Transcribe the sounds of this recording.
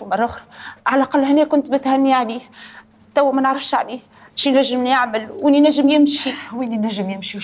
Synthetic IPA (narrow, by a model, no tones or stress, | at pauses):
mɑrˤɑxɾʕalʔaqɑlːhɪnːɛːkʊnt̪bɪt̪hænːiʕaliː | t̪æwːæmænəʕɾˤɑfʃʕali | ʃinæʒːəmnjaʕməlwʔinːinæʒːəmjɪmʃiwininæʒːəmjɪmʃi